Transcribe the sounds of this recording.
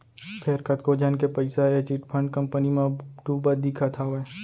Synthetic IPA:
pʰeɾkət̪kod͡ʒənkepɐɪsaet͡ʃiːʈpʰə̃ɳɖkɐ̃mpənimẽɖuːbəd̪ikʰat̪ʰaɦoɛː

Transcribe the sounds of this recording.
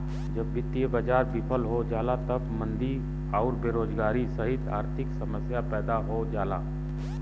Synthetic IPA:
d͡ʒəbːɪt̪ːijebəd͡ʒaːɾbɪpʰəlɦod͡ʒaːlat̪əbmə̃nd̪i | ɔːɾbeːɾoːd͡ʒɡaːɾisəɦɪt̪a̰ːɾt̪ʰɪksəməsjapɛːd̪aɦod͡ʒaːlaː

